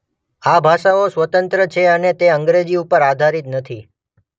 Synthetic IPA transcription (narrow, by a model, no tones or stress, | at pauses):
abʱaʃaosʋət̪ənt̪ɾət͡ʃʰeənet̪eəŋɡɾed͡ʒiupəɾad̪ʱaɾit̪nət̪ʰi